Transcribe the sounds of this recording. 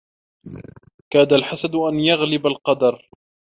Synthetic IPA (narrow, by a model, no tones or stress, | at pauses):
kaːd̪alħasad̪ʔanjaɣlɪbalqɑd̪ɑɾˤ